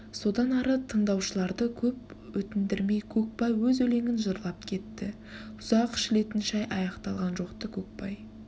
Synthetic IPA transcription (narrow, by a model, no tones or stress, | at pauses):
so̞d̪ɑnɑɾət̪ʰəɴd̪ɑwʃəlˠɑɾd̪əkʲʰɵp | wɵt̪ɪnd̪ɪɾme̞jkʲʰɵk̚pɑjwɵzɵle̞ŋɪnʒəɾlˠɑp̚kʲʰe̞t̪ːɪ | ʊz̥ɑqɪ̥ʃɪle̞t̪ɪnʃɑjʔɑjɑqt̪ɑlˠʁɑnʒo̞qt̪əkʲʰɵk̚pɑj